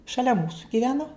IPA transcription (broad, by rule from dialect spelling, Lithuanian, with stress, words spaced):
ʃɐˈlʲɛ ˈmuːsʊ ɡʲɪˈʋʲæːnoː